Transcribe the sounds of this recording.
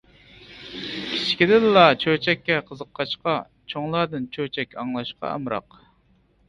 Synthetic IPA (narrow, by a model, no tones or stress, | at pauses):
kʲʰi̥t͡ʃʰkʲid̪ɪnlɑt͡ʃʰøt͡ʃʰɛkʲːɛqʰəzəqʰːɑʃqɑ | t͡ʃʰoŋlˠɑd̪ɨnt͡ʃʰøt͡ʃʰɛkʲɑŋlˠɑʃqʰɑ̰ɑ̰mɾɑ̰q